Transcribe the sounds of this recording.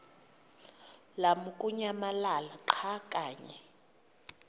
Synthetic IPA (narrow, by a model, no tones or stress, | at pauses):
lamukʼuɲamalalaǁʰakʼaːɲɛ